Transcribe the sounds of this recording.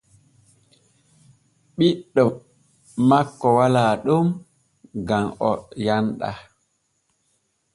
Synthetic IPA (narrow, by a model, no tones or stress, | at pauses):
ɓiɗːɔ | makːɔwalaːɗum | ɡamɔjanɗa̰